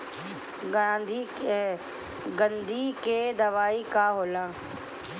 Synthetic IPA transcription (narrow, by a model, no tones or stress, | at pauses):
d̪ | ɡə̃nd̪ʱikeːd̪ɐʋaːikaːɦoːlãː